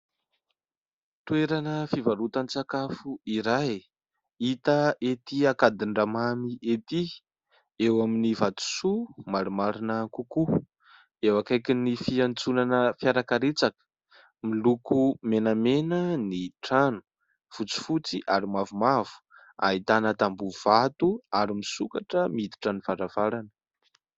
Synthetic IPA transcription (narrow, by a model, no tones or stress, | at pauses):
t̪ueɾanəfivaɾut̪anit͡sakafuiɾaj | it̪əʔet̪iakad̪iɳɖ͡ʐamamiʔet̪i | ewaminivat̪u̥sumaɾumaɾinəkuku | ewakajkinifiant͡sunanəfjaɾakaɾet͡sakə̥ | milukumenamenəniʈ͡ʂanu̥ | fut͡si̥fut͡siʔaɾimavumav̥u̥ | a̰it̪anət̪ambuv̥at̪uaɾimisukaʈ͡ʂəmid̪i̥ʈ͡ʂəniv̥aɾav̥aɾanə̥